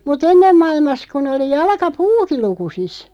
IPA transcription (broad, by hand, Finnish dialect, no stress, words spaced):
mut enːem mɑilmɑs kun oli jɑlkɑpuːki lukusis